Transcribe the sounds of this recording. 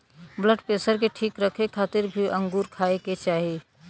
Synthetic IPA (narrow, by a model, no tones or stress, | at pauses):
bləɖpeːsəɾk̬eʈʰiːkɾəkʰekʰaːt̪ɪɾbʱiʔə̃ŋɡuɾkʰaeket͡ʃaːɦi